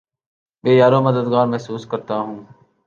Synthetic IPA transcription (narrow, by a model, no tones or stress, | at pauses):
beːjaːɾõːməd̪əd̪ɡaːɾmɛɦsuːskəɾt̪aːɦũː